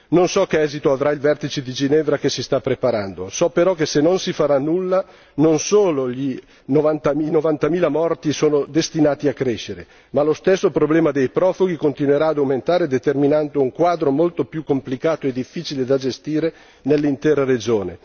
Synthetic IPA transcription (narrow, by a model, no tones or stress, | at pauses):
nonsɔk̟eɛːzit̪oavɾailvɛrt̪it͡ʃed̪id͡ʒinɛvɾak̟esist̪apːɾepaɾand̪osɔpeɾɔk̟esenːonsifaɾanːulːa | nonsoːloʎi | novant̪amnovant̪amiːlamɔrt̪isoːnod̪est̪inaːt̪iakːɾeʃːeɾe | malost̪esːopɾoblɛːmad̪ejpɾɔːfoɡikont̪inweɾaːd̪awment̪aːɾed̪et̪erminand̪ouŋkwaːd̪ɾomolt̪opjukːomplikaːt̪oed̪ifːiːt͡ʃiled̪ad͡ʒest̪iːɾe | nelːint̪ɛːɾaɾed͡ʒoːne